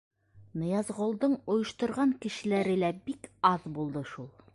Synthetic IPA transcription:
nɤ̆jɑzʁŏlˠd̪ɤɴŏjɤ̆ʃt̪ɤ̆ɾʁɑŋkɘ̆ʃɘ̆læɾɘ̆læbikɑðbulˠd̪ɤʃulˠ

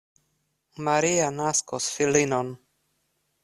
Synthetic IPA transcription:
maɾianaskosfilinon

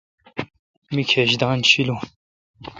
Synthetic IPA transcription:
mikʰɛʃd̪ɑːnʃilu

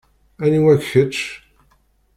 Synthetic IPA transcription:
æniwækçət͡ʃ

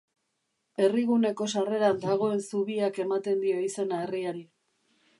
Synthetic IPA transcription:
e̞riɣ̞une̞ko̞sare̞ɾand̪aɣ̞o̞e̞nsuβiake̞mat̪e̞nd̪io̞ise̞nae̞riaɾi

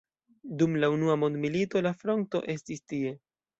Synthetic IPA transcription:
dumlaunuamo̞ndmilito̞lafɾo̞nto̞̰ʔe̞stistie̞

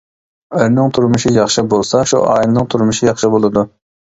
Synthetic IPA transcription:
ɛɾnɨŋt̪ʰuɾmʊʃijɑχʃɨbolˠsɑʃṵʔɑːjlˠnɨŋt̪ʰuɾmuʃijɑχʃɨbolˠɨd̪u

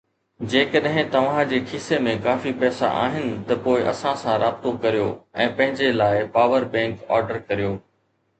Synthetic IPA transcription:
d͡ʑeːkəɗɦɪ̃t̪ɐʋ̤ãd͡ʑeːkʰiːsemẽkaːfipɛːsa̰ʔa̰ːɦɪnɪ̆t̪ɐpoːɪʔɐ̰sãsãɾaːbɪt̪okɐɾijo̰ɛ̃ːpɐ̃ɦɪ̃ɲd͡ʑelaːɪpaːʋəɾbɛ̃ːŋkɔ̰ːɾɖəɾkɐɾijoː

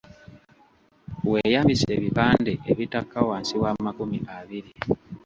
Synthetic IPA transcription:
weːjaːmbise̞ːβipaːndeʔeβitakːawaːnsiwaːmakumiʔaβiɾi

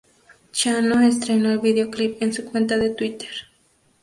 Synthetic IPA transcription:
t͡ʃanoest̪ɾenoelβiðeoklipensukwe̞nt̪aðe̞t̪wit̪eɾ

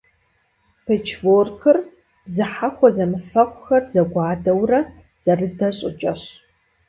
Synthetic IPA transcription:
pʰet͡ʃʰvoːrxɨr | b̥zɨħaxʷɔzɐmɨfɐqʷʼʊxɐrzɐɡʷɑːdɐwrɐ | z̥ɐrɨdɐɕʼɪ̰t͡ʃʼɐɕ

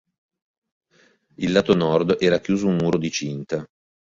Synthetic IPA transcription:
ilːaːt̪onɔrd̪ɛːɾakjuːzounmuːɾod̪it͡ʃint̪a

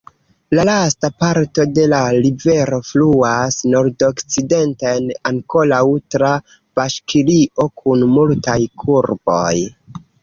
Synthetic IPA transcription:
lalastapaɾto̞de̞lalive̞ɾo̞fluasno̞ɾdokt͡side̞ntaenaŋko̞lawtɾa | b̥aʃkʰiliʔo̞kʰunmultajkʰuɾbo̞j

